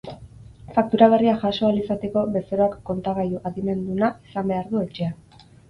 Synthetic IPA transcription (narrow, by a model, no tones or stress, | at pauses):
fak̚t̪uɾaβ̞e̞riaʝaso̞alisat̪e̞ko̞βe̞so̞ɾoakːo̞nt̪aɣajuʔaðime̞nd̪unaisambe̞aɾðue̞t͡ʃe̞a